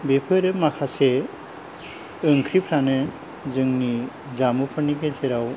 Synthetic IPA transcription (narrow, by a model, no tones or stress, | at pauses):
bepʰɯɾɯmakʰase | ɯŋkʰɾipʰɾanɯ | zɯŋni | zamupʰɯnikeseɾaw